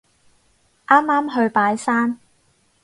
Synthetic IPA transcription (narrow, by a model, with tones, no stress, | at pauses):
ʔaː˥mːaː˥mɦɵ˧ɥpaː˨˥jsaː˥n